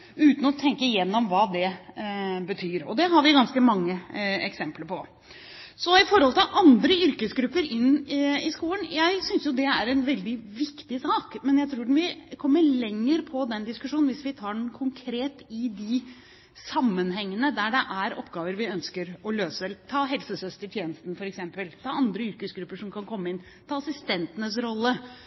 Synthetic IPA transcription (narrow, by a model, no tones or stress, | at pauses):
ʉːt̪n̩ɔt̪ʰɛŋkəjɛnːɔmʋɑːd̪ɛ | bət̪ʰyːɾɔ̰d̪ɛɦɑɾʋɪɡɑnskəmɑŋːəɛksɛmpləɾpʰɔ | sɔɪfɔɾhɔlt̪ɪlʔɑnd̪ɾəʏɾkəsɡɾʉpːəɾɪnːɪskuːlənjæɪsʏnsjʊd̪ɛæɾɛnʋɛld̪ɪʋɪkt̪ɪsɑːkmɛnjæɪt̪ʰɾuːɖn̩ʋɪkʰɔmːəɭɛŋːəɾpʰɔd̪ɛnd̪ɪskʉʂuːnn̩ʋɪsʋɪt̪ʰɑːɖɛnkʰʊŋkʰɾeːt̪ɪd̪ɪ | sɑmːənɦɛŋːənəd̪æɖɛʔæɾɔ̰pːɡɑːʋəɾʋɪœnskəɾɔløːsəɛlət̪ʰɑːɦɛlsəsœst̪əʈʰjeːnəst̪n̩fɔɾɛksɛmpəlt̪ʰɑːɑnd̪ɾəʏɾkəsɡɾʉpːəʂɔmkʰɑnkʰɔmːəɪnː | t̪ʰɑːɑsɪst̪ɛnt̪ənəsɾɔlːə